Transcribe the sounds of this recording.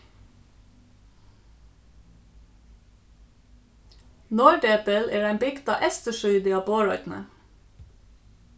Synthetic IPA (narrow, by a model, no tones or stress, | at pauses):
noːɖeːpəleːɖæɪmbɪɡt̪ɑːʔɛst̪əʃʏʏd̪ɪɑːboːɹɔʏt̪n̩ə̰